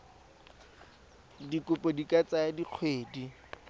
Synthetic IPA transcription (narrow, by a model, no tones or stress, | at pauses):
dikʊpʼɔdikʼat͡sʼaadiq͡χʰweːdi